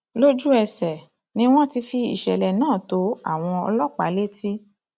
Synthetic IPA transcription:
lo˦d͡ʒu˦ɛ˧˨sɛ˨ | nĩ˧˦w̃ɔ̃˦ti˧fi˧ḭ˨ʃɛ˨lɛ˨nãː˦˨to˨˦a̰˦˨w̃ɔ̃˧ɔ̰˧lɔ˦k͡pa̰˨˦le˦ti˦

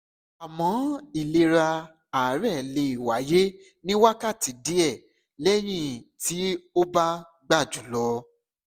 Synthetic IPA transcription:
a˨mɔ̃˨˦i˦˨le˧ɾa˧ | a˨˦ɾɛ˦˨le˧i˨wa˨˦je˦ | nĩ˦wa˦ka˦˨ti˨˦di˦ɛ˦˨ | lɛ˦j̃ĩ˦˨ti˨˦o˦ba˦ | ɡ͡ba˦˨d͡ʒu˨˦lɔ˧˦

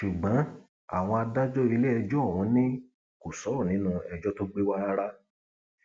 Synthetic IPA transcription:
ʃu˨ɡ͡bɔ̃˨˦ | a̰˨w̃ɔ̃˧a˧da˦d͡ʒɔ˦i˧le˦ɛ˧d͡ʒɔ˦˨w̃ɔ̃˧˦nĩ˦ | ko˨sɔ˨˦ɔ˦˨nĩ˨˦nũ˦˧ɛ˧d͡ʒɔ˦to˦ɡ͡be˦wa˦a˦ɾa˦

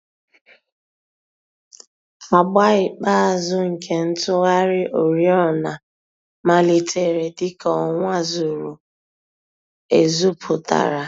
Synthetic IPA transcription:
a˨ɡ͡ba˦ɪ˨k͡pa˦a˨zʊ˦ŋ̩˨kʰe˦n̩˦tʊ˦ɣa˦ɾɪ˦ʔo˨ɾi˦ɔ˦na˨ | ma˦li˨te˦˨ɾe˨tɪ˦kɔ˨ŋʷa˦zu˨ɾu˨ | e˨zu˦pʰʊ˨ta̰˨ɾa˨

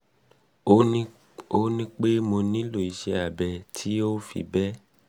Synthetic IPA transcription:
o˦nĩ˦k͡pe˦mo˧nĩ˦lo˨i˧˨ʃɛ˧a˨bɛ˨tʰi˨˦o˦fḭ˧bɛ˦

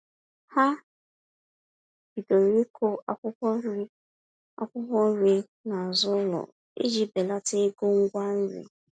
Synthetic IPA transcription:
ha˦ | bi˨do˨ɾi˦kʰo˦a˨˦kʷʊ˦kʷɔ˦ɾ | a̰˨kʷʊ˦kʷɔ˦n̩˦ɾi˦ | na˨zʊ˦lɔ̰˨ | ḛ˦d͡ʒi˦be˨la˦te˦ɡo˦ŋ̩˦ɡʷa˦n̩˦ɾḭ˨

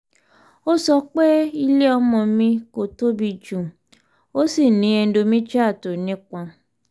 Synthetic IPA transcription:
o˦sɔ˧k͡pe˦i˧le˦ɔ˧mɔ̃˧mĩ˧ko˨to˦bi˧d͡ʒũ˨ | o˦si˦˨nĩ˨˦ɛ˧n̩˦do˧mĩ˦t͡ʃa˦˨to˨nĩ˨˦k͡pã˧

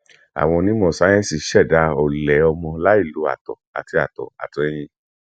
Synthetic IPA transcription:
a̰˨w̃ɔ̃˧nĩ˦mɔ̃˧˨sa˨˦j̃ɛ̃˦si˨ʃɛ˦˨da˧ɔ˨lɛ˨˦ɔ˧mɔ̃˧la˦i˦˨lu˨˦a̰˦˨tɔ̰˨a̰˨ti˧a̰˨tɔ̰˨a̰˨tu˨˧ɛ˧j̃ĩ˧

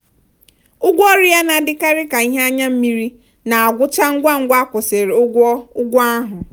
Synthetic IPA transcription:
ʊ˦ɡʷɔ˦ɾɪ˦ja˦na˨dɪ˦ka˦ɾɪ˦ka˨i˦ɦe˦a˦ɲa˦m̩˦mi˦ɾi˦ | na˨a˨ɡʷʊ˦t͡ʃa˦ŋ̩˦ɡʷa˦ŋ̩˦ɡʷa˦kʷʊ˨se˨ɾe˨ʊ˦ɡʷɔ˦ʊ˦ɡʷɔ˦a˦ɦʊ˨

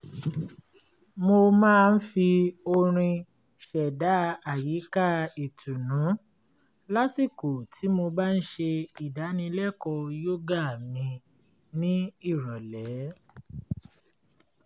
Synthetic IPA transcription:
mo˧mãː˦˧n̩˦fi˧o˧ɾ̃ĩ˧ | ʃɛ˨da˨˦a˨ji˨˦ka˦i˨tu˨nũ˨˦ | la˦si˦˨ku˨tʰi˨˦mo˧ba˦n̩˦ʃe˧i˨da˨˦nĩ˧lɛ˦˨kɔ˧jo˦ɡa˦˨mĩ˧ | nĩ˦i˦˨ɾɔ˨lɛ˨˦˨

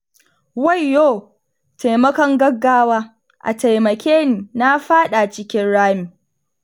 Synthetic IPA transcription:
wɐ˦jːoː˦˨ | ta˨jmɐ˦kɔ˦ŋɡɐ˦ɡːaː˦waː˦ | ʔa̰˨ta˨jmɐ˨kʲeː˦niː˨na˦ɸaː˦ɗa˨t͡ʃɪ˦kʲɪ˦nɽaː˦mi˨

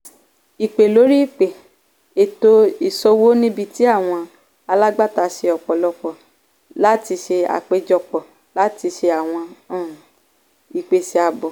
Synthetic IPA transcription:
i˨k͡pe˨lo˨˦ɾi˦i˦˨k͡pe˨ | e˨to˧i˨sɔ˧wo˦nĩ˦bi˦ti˨˦a˦˨w̃ɔ̃˧ | a˧la˦ɡ͡ba˦˨ta˨˧ʃe˧ɔ˨k͡pɔ˨lɔ˦k͡pɔ˨ | la˦ti˧ʃe˧a̰˨k͡pe˦d͡ʒɔ˧˨k͡pɔ˨ | la˨˦ti˧ʃe˧a˨w̃ɔ̃˧ã˦˨ | i˨k͡pe˧se˧a˧bɔ˨

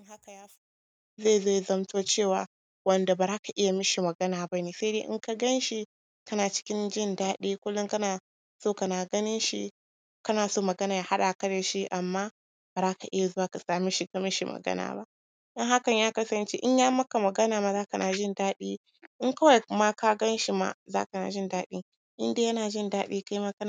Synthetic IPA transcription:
ɪ˦ha˦ka˨jaː˦so˦ | zeː˦˨zeː˦˨jzɐ˦mtʰoː˦t͡ʃeː˦˨waː˨ | wɐ˨nda˨ba˨ɾa˦ka˨ʔɪ˦ja˨mɪ˦ʃi˨mɐ˨ɡɐ˦naː˨ba˦neː˨sa˦deː˦ʔɪ̰˦ŋka˦ɡɐ˦nʃi˦ | kɐ˦naː˨t͡ʃɪ̥˦kʲɪ˦nd͡ʒɪ˦˨ndaː˦ɗeː˦kʷʊ˦lːʊ˦ŋkɐ˦naː˨ | soː˦kɐ˨naː˨ɡɐ˦nɪ˦nʃḭ˦ | kɐ˦naː˨soː˦mɐ˨ɡɐ˦naː˨ja˨ha˦ɗa˨kɐ˦da˨ʃi˦ʔa˨mːaː˦ | ba˨zaː˦ka˨ʔɪ˦ja˨zʊ˦aː˦ka˨saː˨mi˦ʃi˦ka˨mɪ˦ʃi˦mʔɐ̰˨ɡɐ̰˦na̰ː˨ba̰˦ʔ | ʔɪ˦ŋha˦kɐ˨ɲjaː˦kɐ˦sɐ˨nt͡ʃḛ˦ʔɪ˦ɲjaː˦mɐ˦ka˨mɐ˨ɡɐ˦naː˨ma˨zaː˦ka˨nʔaː˨ʒɪ˦ndaː˦ɗiː˦ | ʔɪ˦ŋkɐ˦wa˨jma˦ka˦ɡɐ˦nʃi˨ma̰˨za̰ː˦ka˨na̰˨ʒɪ˦ndaː˦ɗḭ˦ŋ | ʔɪ̰˦ndeː˦jɐ˦naː˨d͡ʒɪ˦ndaː˦ɗeː˦ka˦jma˦kɐ˦n˨

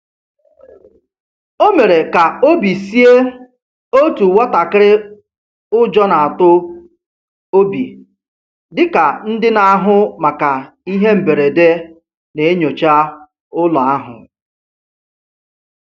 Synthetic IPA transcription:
o˦me˨ɾe˨ka˨o˦bi˨si˦e˦ | o˦tu˨wa˦ta˨kɪ˦ɾɪ˦ | ʊ˦d͡ʒɔ˦na˨a˨tʊ˦ | o˦bi˨ | dɪ˨ka˨n̩˦dɪ˦na˨a˦ɦʊ˦ma˨ka˨ | i˦ɦe˦m̩˨be˨ɾe˨de˦ | ne˨e˦ɲo˨t͡ʃa˦ | ʊ˦lɔ˨a˦ɦʊ̰˨

